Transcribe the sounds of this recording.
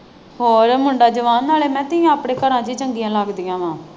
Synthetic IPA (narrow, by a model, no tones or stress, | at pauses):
hoːɾmʊɳɖaːd͡ʒəʋaːnːaːleːmɛ̃ːt̪ɪjãːapɽẽːkəɾãːd͡ʒiːt͡ʃəŋɡijãːlaːɡd̪ijãːʋãː